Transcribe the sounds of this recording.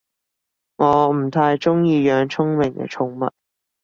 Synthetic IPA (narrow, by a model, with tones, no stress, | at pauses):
ŋɔː˨˧m̩˨˩t̪ʰaː˧jt͡ʃʊ˥ŋjiː˧jœː˨˧ŋt͡sʰʊ˥ŋmɪ˨˩ŋkɛ̰˧t͡ʃʰʊ˧ŋmɐ̰˨t̚